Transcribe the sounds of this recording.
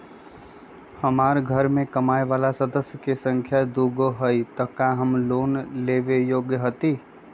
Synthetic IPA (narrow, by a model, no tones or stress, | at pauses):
həmaːɾɡʱəɾmẽkəmaːeʋaːlasəd̪əsjəkesə̃ŋkʰjad̪uɡoɦəit̪əkaɦəmloːnleːʋejoːɡjəɦət̪iː